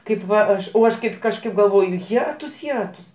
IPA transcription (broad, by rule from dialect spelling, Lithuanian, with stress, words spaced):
ˈkɐɪp ˈʋɐ ˈɐʃ oː ˈɐʃ ˈkɐɪp kɐʃˈkɐɪp ɡɐlˠˈʋoːjʊ ˈjæːtʊs ˈjæːtʊs